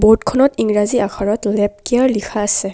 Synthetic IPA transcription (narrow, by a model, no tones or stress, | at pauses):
botkʰɔnɔtiŋɹaziakʰaɹɔtlɛp̚kijaɹlikʰaːsɛ